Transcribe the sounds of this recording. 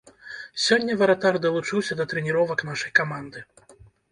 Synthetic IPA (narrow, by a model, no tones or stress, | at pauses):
sʲɔnʲːɐvɐɾɐt̪ard̪ɐlˠut͡ʂɨwsʲɐd̪ɐt̪ɾɛnʲiɾɔvɐknaʂɐjkamand̪ɨ